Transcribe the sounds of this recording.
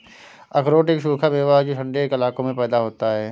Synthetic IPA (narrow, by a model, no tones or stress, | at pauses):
ɐkɾoːʈɪkʃuːkʰabeːʋaɦd͡ʒoʃə̃ɳɖekɪlaːkõmẽpɛːd̪aɦoːt̪aɦɛː